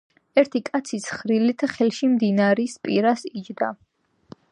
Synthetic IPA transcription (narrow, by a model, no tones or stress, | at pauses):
ɛɾt̪ʰikʼat̪sʰisχɾilit̪ʰχɛlʃimd̪inaɾispʼiɾasid͡ʒd̪a